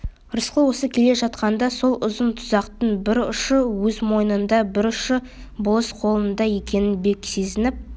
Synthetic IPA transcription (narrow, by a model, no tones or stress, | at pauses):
ɾəsqəwo̞səkʲʰe̞le̞ʒɑt̪qɑnd̪ɑso̞lˠʊzənt̪ʰʊzɑqt̪əɴbɪɾʊʃəwɵzmo̞jənənd̪ɑbɪɾʊʃə | bʊlˠəsqʰo̞lˠənd̪ɑje̞kʲe̞nɪnbe̞kʲse̞zɪnɪp̚